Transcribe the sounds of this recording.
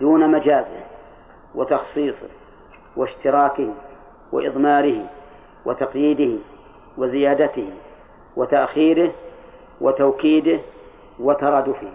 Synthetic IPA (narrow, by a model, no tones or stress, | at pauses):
d̪uːnamad͡ʒaːzɪ̰h | wɪt̪ɑxsˤiːsˤɨ̰ | wɪʃt̪ɪɾɑːkɪhi | wɪ̰ʔɪ̰ðˤmɑːɾɪhɪ | wɪt̪ɑqjiːd̪ɪhɪ | wɪzɪjaːd̪at̪ɪhi | wɪt̪aʔxiːɾɪh | wʔɪt̪awkiːd̪ɪh | wɪt̪ɑɾˤɑːd̪ʊfɪh